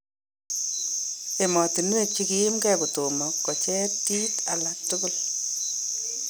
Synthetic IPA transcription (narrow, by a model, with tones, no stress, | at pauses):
e˨mɔ˨ti˨nu˦e˨t͡ʃiki˦mkɛ˦kʊ˨to˨mɔ˨kːɔ˨t͡ʃɛ˦ti˦talak̚tʊkʊ˦l